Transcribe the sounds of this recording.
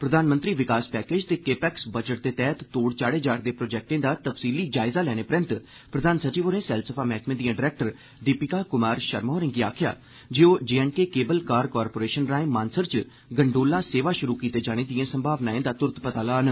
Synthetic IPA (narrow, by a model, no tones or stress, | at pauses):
pɾəd̪aːnmənt̪ɾiːʋɪkaːspɛːkeːd͡ʒt̪eːkeːpɛːksbəd͡ʒəʈ̚d̪eːt̪ɛːt̪ːoːɽt͡ʃaːɽeːd͡ʒaːɾd̪eːpɾoːd͡ʒɛːk̚ʈẽːd̪aːt̪əpsiːliːd͡ʒaːɪzaːlɛːɽ̃eːpɾə̃nt̪ | pɾəd̪aːnsət͡ʃiːʋoːɾẽːsɛlsəpʰaːmɛːkmẽːd̪ijãːɖɪɾɛːk̚ʈəɾ | d̪ipɪkaːkʊmaːɾʃəɾmoːɾɪ̃ŋɡiːaːkʰɪja̰ː | d͡ʒeːoːd͡ʒeːɛːnkeːkeːbəlkaːɾkɔːɾpoːɾeːʃənɾaːẽːmãːnsəɾt͡ʃ | ɡəɳɖoːlãːseːʋaːʃʊɾuːkiːt̪eːd͡ʒaːɽ̃eːd̪ijãːsəmbʱaːʋnaːẽːd̪aːt̪ʊɾət̪pət̪aːlaːn